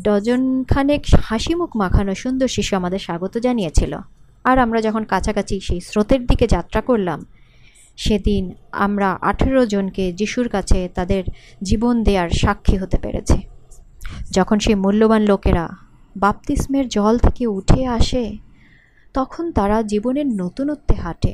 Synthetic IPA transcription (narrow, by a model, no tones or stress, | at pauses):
ɖɔd͡ʑonkʰanekhaʃimukmakʰanoʃund̪oɾʃiʃuamad̪eɾʃaɡot̪od͡ʑanijet͡ɕʰilo̰ | aɾamɾad͡ʑɔkʰonkat͡ɕʰakat͡ɕʰiʃejsɾot̪eɾd̪iked͡ʑat̪ːɾakoɾlam | ʃed̪in | a̰mɾaʔa̰ʈʰeɾod͡ʑonked͡ʑiʃuɾkat͡ɕʰet̪ad̪eɾ | d͡ʑibond̪eaɾʃakʰːiɦot̪epḛɾḛt͡ɕʰi | d͡ʑɔkʰonʃejmulːobanlokeɾa | bap̚t̪ismeɾd͡ʑɔlt̪ʰekeuʈʰeaʃe | t̪ɔkʰont̪aɾad͡ʑiboneɾnot̪unot̪ːeɦaʈḛ